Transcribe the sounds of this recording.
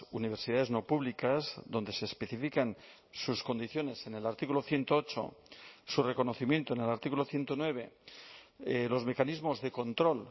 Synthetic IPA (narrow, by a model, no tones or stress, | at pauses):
uniβ̞eɾsiðaðe̞zno̞puβlikazðo̞nd̪e̞seːspeθifikan | susko̞nd̪iθjo̞ne̞se̞ne̞laɾt̪ikuloθje̞nt̪oot͡ʃo̰sure̞ko̞noθimje̞nt̪one̞laɾt̪ikuloθje̞nt̪onwe̞β̞e̞ | elo̞zme̞kanizmozðe̞ko̞nt̪ɾo̞l